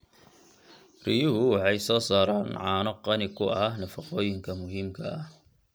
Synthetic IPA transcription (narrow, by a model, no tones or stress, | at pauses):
rijʊhʊwɑħɑjsɔːsaːɾaːnʕɑːnɔqɑnɪkʰʊʔɐhnɐfɐqɔːjɪŋkʰɐmʊɦɪmkʰɐʔɐh